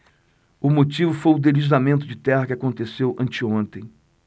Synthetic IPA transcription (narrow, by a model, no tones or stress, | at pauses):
ʊmot͡ʃivʊfojʊd̪elizamẽnt̪ʊd͡ʒɪt̪ɛhɐkɪakõnt̪esewʔɐ̃nt͡ʃɪõnt̪ẽj̃